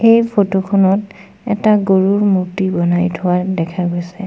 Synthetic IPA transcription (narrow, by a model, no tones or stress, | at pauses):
ejpʰotokʰɔnɔt | ɛ̰taɡoɹuɹmutibɔnajtʰʊwadɛkʰaɡojsɛ